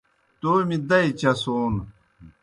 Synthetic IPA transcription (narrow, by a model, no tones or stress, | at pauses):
t̪oːmid̪ɐit͡ɕɐsoːn